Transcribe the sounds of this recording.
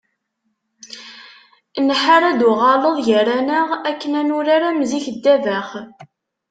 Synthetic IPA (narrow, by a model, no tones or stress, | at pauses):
nħaɾæd̪ʊʁɑləðˤʝəɾænəʁækːənænʊɾaɾamziçəd̪ːævæχ